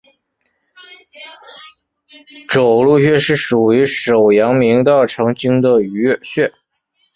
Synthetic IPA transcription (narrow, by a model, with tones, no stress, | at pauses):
ʈ͡ʂo˨˩ʊlu˥˧ɕ̬ɥɛ˥˧ʂɻ̩˥˩ʂu˨˩y˧˥ʂo˨˩ʊjɑ˧˥ŋmi˧˥ŋt̪ɑ˥˩ʊʈ͡ʂʰɤ˧˥ŋt͡ɕi˥ŋd̪ə˨y˧˥˧ɕɥɛ˥˩